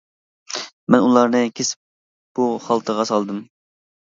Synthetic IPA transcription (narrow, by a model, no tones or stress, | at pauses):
mɛnulˠɑɾnɨkʲʰesɪ̥p̚ | b̥uχɑlˠt̪ʰəʁɑsɑlˠd̪ɨm